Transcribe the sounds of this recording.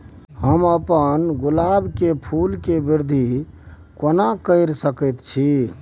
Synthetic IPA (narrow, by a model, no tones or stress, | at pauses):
ɦəməpənɡulabkepʰulkebiɾd̪ʱi | kənakəɪɾsəkəjt̪t͡ʃʰi